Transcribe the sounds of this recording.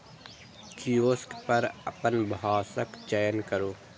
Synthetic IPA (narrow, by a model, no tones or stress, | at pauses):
kʰioːskpɐɾɐ̰pənbɦaːsəkt͡ʃajənkəɾoː